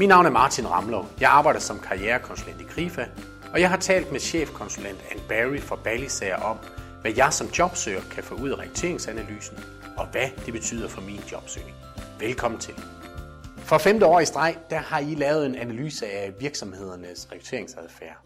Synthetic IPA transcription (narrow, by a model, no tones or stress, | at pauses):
minːɑ̈ʊnæɐmɑ̈ːt͡sʰinʁɑ̈mlojɑ̈ɪɑ̈ːb̥ɑ̈ɪ̰d̥ɐsɒ̽mkʰɑ̈iɛːɐkʰɒ̽nsulen̰d̥ikʰʁifæ | ɒ̽jɑ̈ɪhɑ̈t͡sʰɛ̰ːld̥meɕḛːfkʰɒ̽nsulen̰d̥ænb̥æʁifɒ̽b̥ælisɛɪɐʔɒ̽m | ʋæjɑ̈ɪsɒ̽md̥jɒ̽b̥sø̰ːɐkʰæfɔ̰̽ːuð̰ˠæʁɛɡ̥ʁut͡sʰe̝ːɐeŋsænæly̰ːsn̩ | ɒ̽ʋæd̥e̝b̥e̝t͡sʰy̰ːð̰ˠɐfɒ̽mind̥jɒ̽b̥sø̰ːne̝ŋʋelkʰɒ̽m̰n̩t͡sʰe̝l | fʁɑfemd̥əɒ̰ːisd̥ʁɑ̈ɪ̰d̥æhɑ̈ilɛːʊð̩ˠe̝nænæly̰ːsəæʋiɐɡ̥sɒ̽mhe̝ð̞̰ˠɐnəsʁɛɡ̥ʁu̥t͡sʰe̝̰ɐe̝ŋsæðˠfæːɐ̰